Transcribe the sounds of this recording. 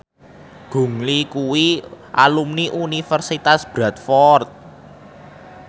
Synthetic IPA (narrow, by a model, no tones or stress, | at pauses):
ɡ̥ṳŋlikuwiʔalumniʔunifərsit̪asb̥ɾat̪̚fɔrt̪̚